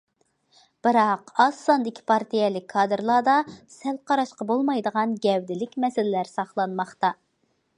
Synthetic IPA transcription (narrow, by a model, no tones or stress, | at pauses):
b̥ɨɾɑqɑsɑnd̪ɪkʲʰi̥pʰɑɾt̪ʰijɛlɪkʰːɑːd̪ɨɾlˠɑːd̪ɑsɛlˠqʰɑɾɑʃqɑbolˠmɑjd̪əʁɑnɡʲɛwd̪ɪlɪkʲmɛsɪlɪlæɾsɑχlˠɑnmɑχt̪ɑ